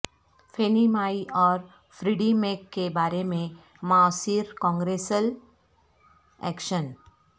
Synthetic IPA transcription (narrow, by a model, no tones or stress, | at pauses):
fʰeːnimaːiʔɔːɾ | fɾiːɖimeːkːebaːɾemẽ | maɔsiːɾkɔ̃ːŋɡɾeːsəl | ɛ̰ːkʃən